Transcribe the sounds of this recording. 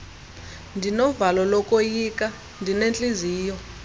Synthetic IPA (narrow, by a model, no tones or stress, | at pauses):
ndʱinɔvalɔlɔkʼojikʼa | ndʱinent͡ɬʼiziːjɔ